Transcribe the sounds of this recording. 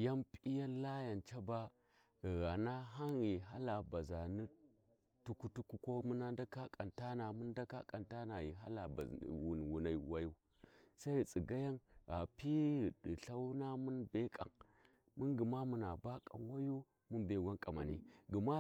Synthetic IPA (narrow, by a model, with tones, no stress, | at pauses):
ja˦mpʼi˦ja˦n˦la˦ja˨nt͡ʃa˦ba˦ | ɣɣa˨na˦ɦa˦nɣi˨ɦa˦la˨ba˨za˨ni˦ | tu˦ku˦tu˦ku˦kʷo˦mu˦na˦nda˦ka˦kʼa˨nta˦na˨mu˦nda˦ka̰˦kʼa˨nta˦na˨ji˨ɦa̰˦la˨ba̰˨wu˨n˨wu˨na˨i˦˨wa˦ju˦ | sa˦i˨t͡sʼi˨ɡa˦ja˦nɣa˨pi˦ɣi˨di˨ɬa˦wna˦mu˦nbe˦kʼa̰˨ŋ | mu˦nɡi˨ma˦mu˨na˨ba˦kʼa̰˨n˨wa˦ju˦ | mu˦nbe˨ɡʷa˦nkʼa˨ma̰˨nḭ˦ɡi˨ma˦